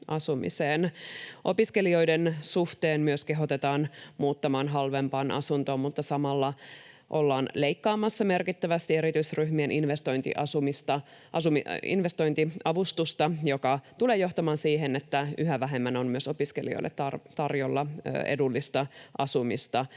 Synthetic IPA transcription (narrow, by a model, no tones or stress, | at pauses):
ʔɑsumḭseːnʔo̞piske̞lio̞jdensuht̪eːnmyøske̞ɦo̞t̪et̪ɑːnmuːt̪ːɑmɑːnɦɑlʋempɑːnʔɑ̰sunt̪o̞ːmmut̪ːɑsɑmɑlːɑ | ʔo̞lːɑːnleikːɑːmɑsːɑme̞rkit̪ːæʋæst̪ie̞ɾit̪yisryhmienʔinʋest̪o̞jnt̪ḭʔɑsumist̪ɑ | ʔɑsumḭnʋest̪o̞jnt̪iɑʋust̪ust̪ɑjokɑt̪uleːjo̞ht̪ɑmɑːnsiːɦenet̪ːæyɦæʋæɦemːænonmyøso̞piskḛlio̰lːḛt̪ɑrt̪ɑrjolːɑḛdulːist̪ɑʔɑsumist̪ɑ